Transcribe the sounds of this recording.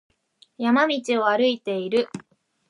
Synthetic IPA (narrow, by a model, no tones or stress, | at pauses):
jamamʲit͡ɕio̞aɾɯit̪e̞iɾɯ̟